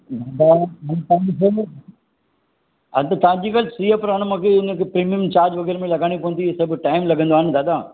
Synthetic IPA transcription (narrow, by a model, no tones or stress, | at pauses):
dad̪amɐ̃t̪ãd͡ʑise | ɐ̰t̪ɐt̪ɐʋãɲd͡ʑiːkalsiːapɾaːñəmãːkʰeɪnə̃kepɾiːmiəmt͡ɕaːɾd͡ʑʋɐɡɛːɾmẽlɐɡaːɽ̃ipɐʋənt̪isɐbʈaːɪmlɐɡə̃nd̪oaːnd̪aːd̪aː